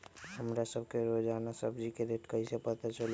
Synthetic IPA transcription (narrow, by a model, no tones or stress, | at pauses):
həmɾasəbʱkeɾod͡ʒanasəbʱd͡ʒikeɾeʈkəɦisepət̪at͡ʃəl